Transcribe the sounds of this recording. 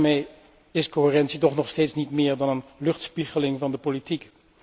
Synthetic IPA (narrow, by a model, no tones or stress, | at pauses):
mej | ɪskoɦɪːrɛntsitɔχnɔχsteːjtsnitmɪːɹdɑnənlɵχtspiχəlɪŋvɑndəpolitik